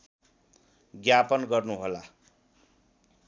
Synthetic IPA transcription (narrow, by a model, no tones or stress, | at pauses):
ɡjapʌnɡʌrnuɦola